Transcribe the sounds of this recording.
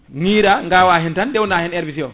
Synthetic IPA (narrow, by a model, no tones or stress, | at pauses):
ŋiːɾaŋɡawaɦɛntanɗɛwnahɛnɛɾbisiɔ